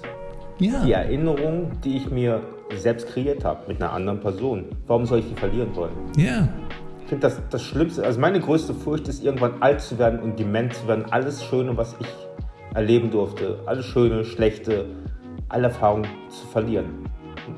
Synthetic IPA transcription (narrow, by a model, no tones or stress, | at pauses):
jad̥iːɛ̰ɐʔɪnəʁ̞ʊŋd̥iːɪçmiːɐ | zɛlpstkʁ̥eiːɐtha̰ːbəmɪtnɐʔa̰ndəʁənpʰɛɐzoːnvaʁʊmzɔlɪçd̥iːfɛɐliːʁ̞ənvɔlənjaɪçfɪndədasd̥asʃlɪmstəʔalzomaɪnəɡʁøːstəfʊɐçtɪstʔɪɐɡŋ̩tv̥anʔaltt͡suveːɐdn̩ʊnt̚d̥ɛmɛntt͡suveːɐdn̩ʔa̰ləsʃøːnəvasɪç | ʔɛɐleːbm̩dʊɐftʰəʔa̰ləsʃøːnəʃlɛçtə | ʔa̰ləɛɐfaːʁ̞ʊŋ | t͡su̥fɛɐliːʁən